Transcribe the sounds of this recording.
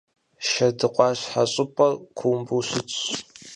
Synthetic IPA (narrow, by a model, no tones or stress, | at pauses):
ʃɐdɨqʷʼɑːɕħaɕʼɪpʼɐkʷʰuːmbuːɕɪt͡sʼɕ